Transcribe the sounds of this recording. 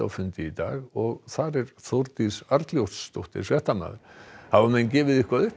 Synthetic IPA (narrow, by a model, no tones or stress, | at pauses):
a̰wfʏnt̪ɪit̪a̰ːɣɔɣθaɾɛɾθɔwɾt̪isaɾt̪ljowt̪st̪owht̪ɪ̰ɾ̥svɛht̪amna̰ðɪɾhavamɛncɛːvɪðihkvaðʏht